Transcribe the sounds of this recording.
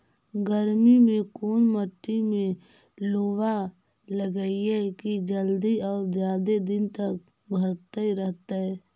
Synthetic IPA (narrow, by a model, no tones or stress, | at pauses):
ɡəɾmimẽkoːnməʈːimẽ | loːwa | ləɡəiɛkid͡ʒəld̪iɔːɾd͡ʒjaːd̪ed̪ɪnt̪ək̚ | bʱəɾt̪əiɾəɦt̪aɦɛː